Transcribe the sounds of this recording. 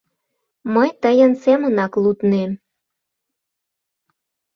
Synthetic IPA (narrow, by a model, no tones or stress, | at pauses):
məjt̪əjənsemənɑklut̪nem